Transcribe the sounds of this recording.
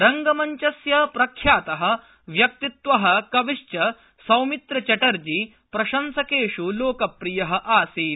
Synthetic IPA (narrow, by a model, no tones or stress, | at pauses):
ɾɐŋɡɐmɐɲt͡ʃɐsjɐpɾɐkʰjaːt̪ɐɦɐ̆ | ʋjɐk̚t̪it̪ʋɐɦɐ̆kɐʋiʂt͡ʃɐ | sɐwmit̪ɾɐt͡ʃɐʈɐɾd͡ʒi | pɾɐʃɐmsɐkeːʂuloːkɐpɾijɐɦɐ̆ʔaːsiː